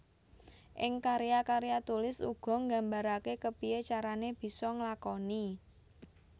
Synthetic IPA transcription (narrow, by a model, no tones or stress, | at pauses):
ʔɪŋkaɾijakaɾejat̪ulɪsṵɡ̥ɔ̤ŋɡa̤mbaɾakekəpiet͡ʃaɾaneb̥i̤sɔŋlakoni